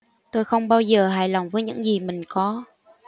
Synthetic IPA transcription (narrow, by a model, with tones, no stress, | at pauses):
t̪o˧jxə˧wŋ͡mɓaː˧wzəː˨˩ɦa̰ː˧˩jla˨˩wŋ͡mvəː˨˦jɲɨ̰˧˥ŋzi˨˩mï˨˩ŋ̟kɔ˨˦